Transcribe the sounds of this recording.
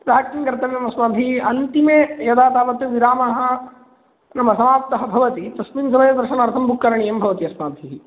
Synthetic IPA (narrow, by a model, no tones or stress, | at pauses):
ɾaːk̚kiŋkɐɾt̪ɐʋjɐmɐsmaːb̪ʱiɐnt̪imeːjɐd̪aːt̪aːʋɐt̪jɐʋiɾaːmɐɦɐ̆ | nɐmɐsɐmaːp̚t̪ɐɦɐbʱɐʋɐt̪it̪ɐsminsɐmɐjɐd̪ɐɾʃɐnɐɾt̪ʰɐmbʱukːɐɾɐɳijɐmbʱɐʋɐt̪iɐsmaːb̪ʱiɦi